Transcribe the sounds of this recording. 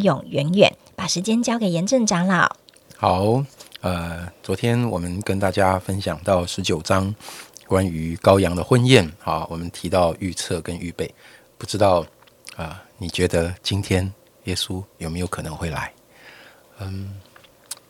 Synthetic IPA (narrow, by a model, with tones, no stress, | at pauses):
jʊ˨˩ŋɥɛ˧˥nɥɛ̰˨˩˦n | pa˨˩ʂɻ̩˧˥t͡ɕjɛ˥nt͡ɕjɑ˥ʊke˨˩ɪjɛ˧˥nʈ͡ʂə˥˩ŋʈ͡ʂa˥ŋlɑ˥˩ʊ | xɑ˨˩˦ʊə˧t͡swɔ˧˥t̪ʰjɛ˥nwɔ˨˩mə˦nkə˦nt̪a˥˩t͡ɕja˦fə˦˥nɕjɑ˨˩ŋt̪ɑ˥˩ʊʂɻ̩˧˥t͡ɕjo˨˩ʊʈ͡ʂɑ˥ŋkwa˦ny˧˦kɑ˥ʊjɑ˧˥ŋd̪ə˨xwə˥˧njɛ˥˨nxɑ˨wʔɔ˨˩mə˦nt̪ʰi˧˥t̪ɑ˥˧ʊy˥˧t͡sʰɤ˥˨kə˦ny˥˧pe˥˩ɪ | pu˥˩ʈ͡ʂɻ̩˥t̪ɑ˥˩ʊ | ə˧ni˨˩t͡ɕɥɛ˨˧˥d̪ə˧t͡ɕi˦˥nt̪ʰjɛ˥n | jɛ˥su˦jo˨˩ʊme˧˥ɪjo˧˥ʊkʰɤ˨˩nɤ˧˦ŋxwe˥˩ɪla̰˧˦ɪ | ə˧˩